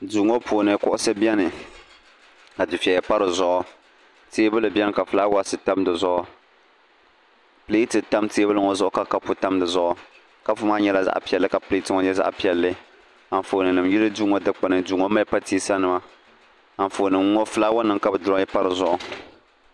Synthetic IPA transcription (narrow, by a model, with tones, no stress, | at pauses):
du˨ŋɔ˦poː˨nɨ˨kʊ˦ʔʊ˦sɨ˦bi˦ɛ˦nɨ˨ | ka˨dɨ˨fi˨ɛ˨jɛ˨˦pa˦ɾɨ˨zʊ˦ʔʊ˨ | teː˦bɨ˦lɨ˨bi˦ɛ˦n˨ka˨fɨ˨la˦wa˦sɨ˨ta˦mdɨ˨zʊ˦ʔʊ˦ | pɨ˨li˦i˦tɨ˨ta˦mte˦bɨ˦lɨ˨ŋɔ˦zʊ˦ʔʊ˦ka˦ka˦pʊ˨ta˦mdɨ˨zʊ˦ʔʊ˨ | ka˦fʊ˦maː˦ɲɛ˦la˦za̰˦ʔpi˨ɛ˨lːɨ˦ka˨pɨ˨li˦i˦tɨ˦ŋɔ˦ɲɛ˦za̰˦ʔpi˦ɛ˨lːɨ˦ | a˨n˨foː˨nɨ˨nɨ˨mji˦lɨ˦duː˦ŋɔ˦dɨ˦k͡pa˨nɨ˨duː˨˦ŋɔ˦ma˦pa˦ti˦sa˦nɨ˨ma˦ | a˨n˨foː˨nɨ˨m˦ŋɔ˦fɨ˦laː˦wa˦nɨ˨ŋka˦bɨ˨dʊ˦ɾɔ˦jɛ˦pa˦ɾɨ˨zʊ˦ʔʊ˨